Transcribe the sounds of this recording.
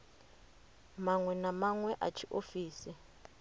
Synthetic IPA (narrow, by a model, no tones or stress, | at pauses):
maŋwɛnamaŋwɛʔa̰t͡ʃʰiʔofiːsi